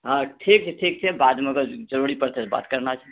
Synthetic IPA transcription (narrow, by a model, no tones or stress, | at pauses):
ɦãʈʰik̚t͡ʃʰɛʈʰik̚t͡ʃʰɛbad̪meəɡəɾd͡ʒəɾuɾipəɾt̪ɛsba̰t̪kəɾnat͡ʃʰɛ